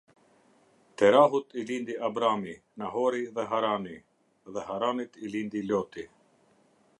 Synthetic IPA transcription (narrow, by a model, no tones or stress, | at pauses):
t̪ɛɾaɦut̪ilind̪iʔabɾami | naɦɔɾiðɛɦaɾani | ðɛɦaɾanit̪ilind̪ilɔt̪i